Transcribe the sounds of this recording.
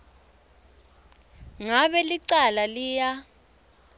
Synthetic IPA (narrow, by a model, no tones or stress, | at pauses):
ŋaβɛliǀalaliːja